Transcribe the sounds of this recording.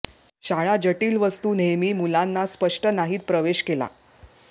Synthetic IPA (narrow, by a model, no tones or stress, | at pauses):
ɕaɭad͡ʑəʈiːlʋəst̪uːnejmiːmulanːaspəʂʈənaɦiːt̪̚pɾəʋeɕkela̰